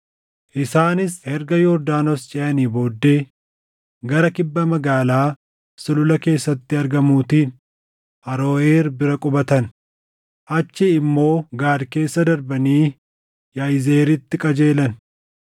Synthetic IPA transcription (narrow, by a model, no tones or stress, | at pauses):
ʔɪsaːnɪshɛɾɡɐjɔɾd̪aːnost͡ʃʼɛʔɐniːbo̞ːd̪ːe̞ː | ɡɐɾɐkɪbːɐmɐɡaːlaː | sʊlʊlɐke̞ːsːɐt̪ːɪɐɾɡɐmuːt̪iːn | ʔɐɾo̞ːeːɾbɪɾɐkʼʊbɐt̪ɐn | ʔɐt͡ʃːɪːmːo̞ːɡaːd̪ke̞ːsːɐd̪ɐɾbɐniː | jajze̞ːɾɪt̪ːɪkʼɐd͡ʒe̞ːlɐn